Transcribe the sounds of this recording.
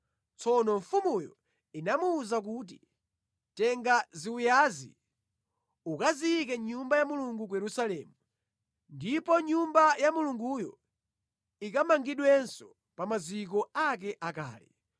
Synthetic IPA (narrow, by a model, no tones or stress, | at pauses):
t͡sʰɔnɔɱfumujɔ̰ | inamuːzak̬ut̬i | tɛŋɡaziujazḭ | ukaziik̬ɛɲumbajamuluŋɡukujɛɾusalɛːmu | ndipɔɲumbajamuluŋɡujɔ | ikamaŋɡiɗwɛnsɔ | pamazik̬ɔak̬ɛʔaka̰ːlɛ̰